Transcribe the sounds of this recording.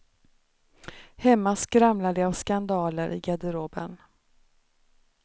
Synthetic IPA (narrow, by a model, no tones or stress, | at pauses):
hɛmːaskɾamlad̪ɛavskand̪ɑːləɾʔɪ̰ɡad̪əɾoːbə̰n